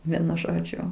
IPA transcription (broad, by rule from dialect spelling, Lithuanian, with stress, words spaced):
ˈʋʲiɛnʊ ˈʒoːd͡ʒʲʊ